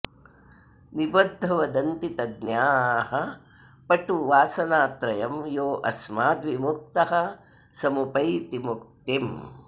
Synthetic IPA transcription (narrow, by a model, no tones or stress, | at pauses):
nibɐd̪ʱːɐʋɐd̪ɐnt̪it̪ɐd̪njaːɦɐ | pɐʈuʋaːsɐnaːt̪ɾɐjɐmjoːʔɐsmaːd̪ʋimuk̚t̪ɐɦɐ | sɐmupɐjt̪imuk̚t̪im